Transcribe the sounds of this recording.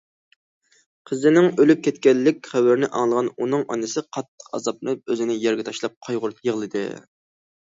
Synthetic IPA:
qʰəzɪnɪŋølyp̚kʲʰɛt̪̚kʲɛlːɪkʲχæwɪɾnɪʔɑŋlˠəʁɑnunɨŋʔɑ̰nɨsɨqʰɑt̪ʰːə̥qɑ̰zɑp̚ɨp̚øzɪnɪjɛɾɡʲɛt̪ʰɑʃlˠɑp̚qʰɑjʁʊɾt̪jəʁlˠɨd̪ɨ̰

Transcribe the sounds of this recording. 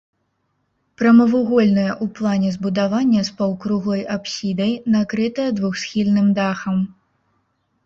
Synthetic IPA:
pɾɐmɐvuɣɔlʲnɐjɐʔuplˠanʲɛzbud̪avanʲːɐspɐwkɾuɣlˠɔjʔapsʲid̪ɐjnakɾɨt̪ɐjɐd̪vuxsxʲilʲnɨmd̪axɐm

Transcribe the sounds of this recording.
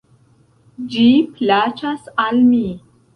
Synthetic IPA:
d͡ʒiplat͡ʃasalmi

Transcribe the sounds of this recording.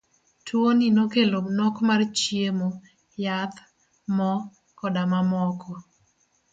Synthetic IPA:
tʰwoninokelonɔkmart͡ʃjiemo | jat̪ | mɔ | kɔdamamɔkʰɔ

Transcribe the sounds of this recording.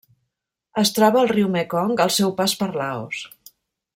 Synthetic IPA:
əst̪ɾɔβəːlˠriwmɛkɔŋɡəlˠsɛwpaspəɾlao̰s

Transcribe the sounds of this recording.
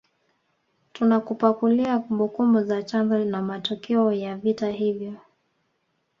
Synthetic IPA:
tunakupakuliakumbukumbuzat͡ʃanbɔnamatɔkɛɔjavitaɦivjɔ

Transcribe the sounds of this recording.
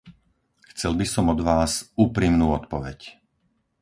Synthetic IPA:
xt͡sɛlbisɔmɔd̪ʋaːzuːpɾimnuːɔt̪pɔʋɛc

